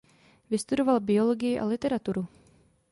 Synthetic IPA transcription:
vɪst̪udo̞valbɪo̞loɡɪjɪʔa̰lɪt̪ɛɾat̪uɾu

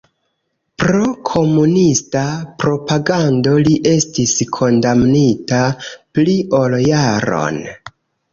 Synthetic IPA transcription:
pɾokʰo̞munistapɾo̞paɡando̞liʔe̞stiskʰo̞ndamnitapliʔo̞ljaɾo̞̰n

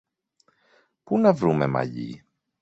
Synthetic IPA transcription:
punɐvɾumemɐ̰ʎḭ

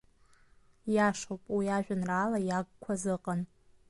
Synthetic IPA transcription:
jaʂowpʼwiaʒᶣʷanraːlajaɡ̚kʷʰazɨqʼan

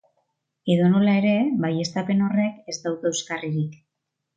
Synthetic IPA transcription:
e̞ðonolae̞ɾe̞βaje̞st̪ape̞no̞re̞ke̞zt̪awðewskariɾik

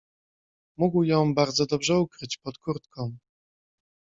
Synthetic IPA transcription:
muɡwjɔ̃w̃baɾd̪zɔd̪ɔbʐɛukɾɘt͡ɕpɔt̪kuɾt̪kɔ̃w

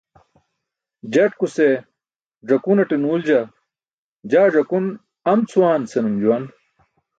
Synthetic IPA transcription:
d͡ʑɐʈkuse | ʐɐkunɐʈinuːld͡ʑɐ | d͡ʑaːʐɐkun | ɐmt͡sʰuwaːnsɐnumd͡ʑuwɐn

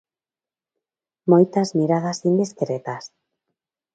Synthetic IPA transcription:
mojt̪azmiɾaðasind̪iskɾet̪as

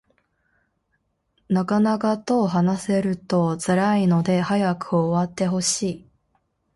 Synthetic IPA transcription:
nakanakat̪o̞ːɦanase̞ɾɯ̟t̪o̞t͡sɨɾaino̞d̪e̞hajakɯ̟oːβat̪ːe̞ɦo̞ɕiː

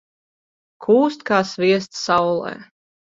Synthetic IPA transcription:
kʰuːst̪kaːsvʲiɛs̬t̪sawlˠɛ̰ː

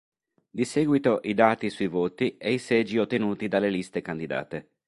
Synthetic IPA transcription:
d̪isɛːɡwit̪oʔid̪aːt̪isuivoːt̪ieisɛd͡ʒiot̪ːenuːt̪id̪alelist̪ekand̪id̪a̰ːt̪e

